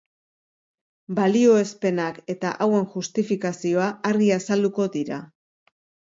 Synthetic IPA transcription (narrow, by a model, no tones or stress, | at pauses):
balio̞e̞spe̞nake̞t̪aʔawe̞ŋʝust̪ifikasio̞aaɾɣiasald̪uko̞ðiɾa